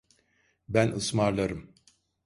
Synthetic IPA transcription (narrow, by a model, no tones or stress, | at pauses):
bænɯsmaɾlˠaɾɯm